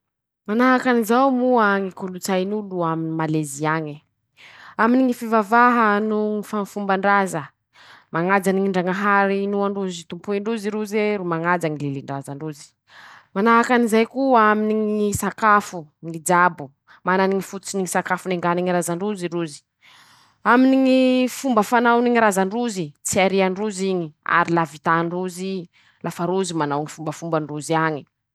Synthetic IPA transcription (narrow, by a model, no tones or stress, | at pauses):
manaɦakanizawmuaŋikulut͡sajnuluaminimaleziaɲi | aminiŋifivavaɦənuŋifanfumbaɳɖ͡ʐazə | maŋad͡zaniŋiɳɖ͡ʐaŋaɦaɾinuaɳɖ͡ʐuzit̪umpuiɳɖ͡ʐuziɾuzeɾumaŋad͡zaŋileliɳɖ͡ʐazaɳɖ͡ʐuzi̥ | manaɦakanizajkuaminiŋisakafuŋid͡ʒabu | mananiŋifut̪u̥t͡siniŋisakafuneŋɡaniŋiɾazaɳɖ͡ʐuziɾuzi̥ | aminiŋifumbəfanawniŋiɾazaɳɖ͡ʐuzit͡siaɾiaɳɖ͡ʐuziɲia̰ɾilavit̪aɳɖ͡ʐuzi | lʔafaɾuzimanawŋifumbəfumbaɳɖ͡ʐuziaɲi̥